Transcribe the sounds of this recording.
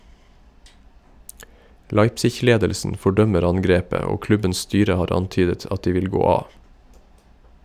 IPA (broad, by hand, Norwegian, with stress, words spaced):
ˈlɑɪpsɪç ˈleːdəlsn̩ fɔˈɖœməɾ ˈɑŋɡɾeːpə ˈoː ˈklʉbəns ˈstyːɾə ˈhɑːɾ ˈɑntyːdət ˈɑt ˈdiː ˈʋɪl ˈɡoː ˈɑː